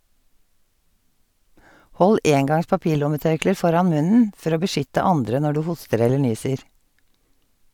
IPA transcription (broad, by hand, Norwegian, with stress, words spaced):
ˈhɔl ˈʔeːŋˌɡɑŋs pɑˈpiːˌlʊməˌtœɹkləɹ ˈfɔɾɑn ˈmʉnn̩ ˈfɔɾ ˈoː bəˈʃʏtə ˈɑndɾə ˈnɔ ˈɖʉː ˈhʊstəɾ ˈɛlə ˈɳyːsəɹ